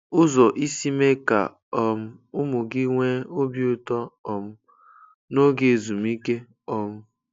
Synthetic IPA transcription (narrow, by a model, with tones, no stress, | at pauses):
ʊ˦zɔ˨ʔi˦si˦me˦ka̰˨ | ɔ˨m̩˦ʊ˦mʊ˨ɡɪ˦ŋʷe˦o˦bi˦ʊ˦˨tɔ˦ɔ˨mʊ˦ | no˦ɡe˨e˨zu˨m˦i˦ke˦ | ɔ˨m̩˦